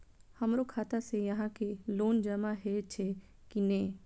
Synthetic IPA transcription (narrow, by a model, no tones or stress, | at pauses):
hɐmɾokʰaːt̪asejɐɦãkeloːnd͡ʒɐmaɦɛt͡ʃʰe | kineː